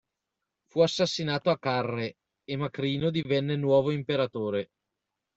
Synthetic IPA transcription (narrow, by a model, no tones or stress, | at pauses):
fuasːasːinaːt̪oakːarːe | emakɾiːnod̪ivɛnːenwɔːvoimpeɾat̪oːɾe